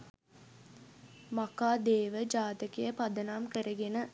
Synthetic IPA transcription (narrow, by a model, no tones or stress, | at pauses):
makaːd̪eːʋəd͡ʒaːt̪əkijəpɐd̪ənaːmkəɾəɡenə